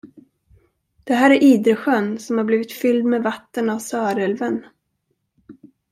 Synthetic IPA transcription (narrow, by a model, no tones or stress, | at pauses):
d̪̥ɛɦæːɾæɾʔiːd̪ɾəɧœnːsɔmhaɾbliːvɪt̪fʏld̪mevat̪ːənavsœːɾɛlvən